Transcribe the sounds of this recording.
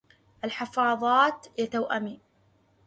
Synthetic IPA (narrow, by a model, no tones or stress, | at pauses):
ʔalħɪfɑːðˤɑːt̪jat̪awʔamiː